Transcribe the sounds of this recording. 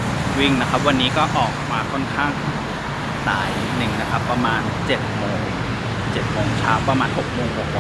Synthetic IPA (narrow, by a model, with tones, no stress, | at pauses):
wi˥˩ŋna˦˥kʰa˦˥p̚wa˧nːiː˦˥kɔː˥˩ʔɔː˨˩k̚maː˧kʰɔ˥˩nkʰaː˥˩ŋ | saː˩˦j | nɯ˨˩ŋna˦˥kʰa˦˥pːɾa˧maː˧nt͡ɕe˨˩t̪̚moː˧ŋ | t͡ɕe˨˩t̪̚moː˩˦ŋt͡ɕʰaː˦˥wpɾa˧maː˧nho˨˩k̚moː˧ŋho˨˩k̚ː